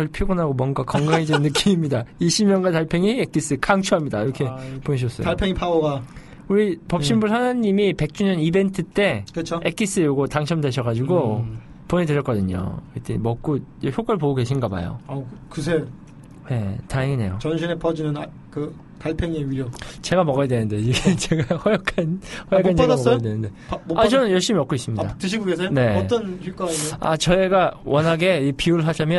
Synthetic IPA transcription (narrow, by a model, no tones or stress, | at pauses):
kʌɭpʰiɡonaɡomwʌnɡakʌŋɡaŋɦedenːɯk͈imimɲidaiɕʰimɲʌŋɡantaɭpʰeŋiek͈is͈ɯkʰaŋt͡ɕʰuɦamɲida̰iɾʌkʰe̞poɲiɕ̬ʰiʌs͈ʌ̰oaɭpʰeŋipʰaoɡa | uɾipʌp̚ɕ͈imbusʰanɯɲːimipe̞k̚t͡ɕ͈uɲʌnibe̞ntʰɯt͈e̞kɯt͡ɕʰoek͈̚is͈ɯjoɡotaŋɕʰʌmde̞ɕʰʌɣad͡ʑuɡo | poɲideɾjʌt̚k͈ʌdɯɲo̰kɯt͈eḭmʌk̚k͈od͡ʑçjoɡɯɭpoɡoɡe̞ɕʰinɡʌba̰jo̰akɯsʰe | ne̞taŋeŋine̞jot͡ɕʌnɕʰinepʌd͡ʑinɯna | kɯ | kaɭpʰeŋeɥiɾjot͡ɕe̞ɡamʌɡajadwenɯndeiɡet͡ɕeɡahʌjʌk͈ʰanhʌjakkʰːand͡ʑeɡmʌɡajedwenɯnde̞oat͡ɕʌnɯnjʌɭɕ͈imiʌpk͈ois͈ɯmɲidatɯɕ̬ʰiɡoɡes̬ʰene̞t͈ʌnɕʰuk͈aea̰t͡ɕʌeɡawʌnɦaɡe̞ipiuɭɦad͡ʑamjʌ